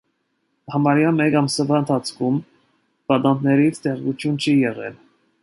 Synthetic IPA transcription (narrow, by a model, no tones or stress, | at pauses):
hɑmɑɾjɑmɛkɑmsɑvɑənt̪ʰɑt͡sʰkʰum | b̥ɑt̪ɑnt̪ʰnɛɾit͡sʰt̪ɛʁvut͡s̪ʰjunt͡ʃʰijɛʁɛ̰l